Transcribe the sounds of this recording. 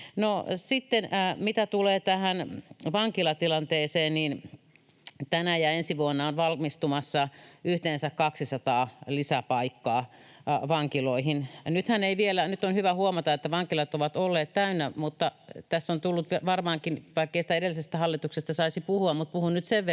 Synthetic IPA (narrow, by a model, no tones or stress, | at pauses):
nosit̪ːenːmit̪æt̪uleːt̪æhænʋɑŋkilɑt̪ilɑnt̪eːseːnniːn | t̪ænæjɑensiʋuonːɑonʋɑlmist̪umɑsːɑʔyht̪eːnsækkɑksisɑt̪ɑːlisæpɑikːɑː | ʋɑŋkiloihinnyt̪hæneiʋielænyt̪ːonhyʋæhuomɑt̪ɑet̪ːæʋɑŋkilɑt̪oʋɑt̪olːeːt̪t̪æynːæmut̪ːɑt̪æsːont̪ulːut̪ʋʋɑrmɑːŋkinʋɑikːeisi̥t̪æeɾelːˑisest̪æhɑlːit̪uksest̪ɑsɑisipuhuɑmmut̪̚puhunnyt̪seʋʋ